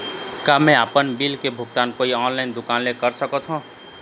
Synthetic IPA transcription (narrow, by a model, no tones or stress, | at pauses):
kamɛ̃aːpənbilkebʱʊɡ̚t̪aːnkoːiɔːnlaɪnd̪ʊkaːnlekəɾsəkɔt̪ʰɦũ